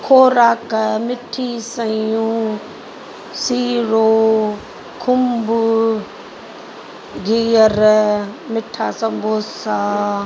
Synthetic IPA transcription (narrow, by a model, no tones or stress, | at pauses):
kʰoːɾaːkmɪʈʰːisəjũ | siːɾoː | kʰʊmbu | ɡiəɾmɪʈʰːaːsəmbʱoːsaː